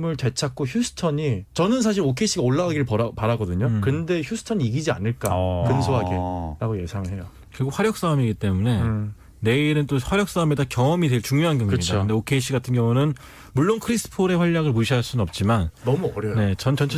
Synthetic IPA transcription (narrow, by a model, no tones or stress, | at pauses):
mɯɭte̞t͡ɕʰak͈̚oçjus͈ʰɯ̥tʰʌɲit͡ɕʌnɯns̬ʰaɕ̬ʰiɾokʰe̞iɕʰiɡaoɭːaɡaɡiɾɯɭpʌɾpaɾaɡʌdɯɲokɯnde̞çjusʰɯ̥tʰʌɲiiɡid͡ʑia̰nɯɭk͈a̰kɯnsʰoɦaɡeɾaɡoje̞sʰaŋɯɭɦe̞jo̰ | kɯɾiɡok̚ɸwaɾjʌk̚s͈amiɡit͈e̞mune̞ | ne̞iɾɯnt͈oɸwaɾjʌk̚s͈amedakjʌŋʌmidwe̞ɭt͡ɕuŋjoɦanɡjʌŋukɯmit͡ɕʰaoɯndeokʰe̞iɕ͈ʰiɡatʰɯnɡjʌŋunɯn | muɭːonkʰɯɾisʰɯ̥pʰoɾe̞ɸwaʎːaɡɯɭmuɕʰiɦaɭs͈unɯnʌp̚t͡ɕ͈imannʌmuʌɾjʌne̞t͡ɕʌnt͡ɕʌnt͡ɕʰ